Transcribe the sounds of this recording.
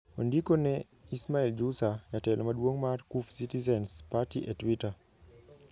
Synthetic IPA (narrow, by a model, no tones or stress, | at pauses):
ondikonɛ | ismaɛld͡ʒusaɲatɛlʔɔmadwoŋmarkufsitizɛnspatiʔɛtwita